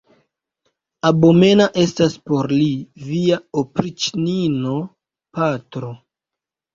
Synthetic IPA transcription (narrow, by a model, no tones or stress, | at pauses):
abome̞naʔe̞staspo̞ɾliviaopɾit͡ʃnino | patɾo̞